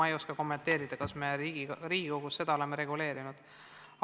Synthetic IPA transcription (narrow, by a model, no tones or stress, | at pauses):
ɑejo̞skɑko̞mːe̞nt̪ːe̞ːɾid̪̥ɑkɑsmeɾiːɡiɾiːɡ̥iko̞ɡ̥usse̞d̪̥ɑole̞mːeɾe̞ɡule̞ːɾinud̪̥